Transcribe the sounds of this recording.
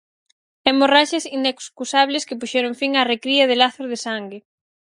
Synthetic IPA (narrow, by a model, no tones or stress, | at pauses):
ɛmoraʃesinekskusaβ̞leskɪpuʃɛɾʊŋfiŋarekɾiɐð̞elaθoɾðesaŋɡɪ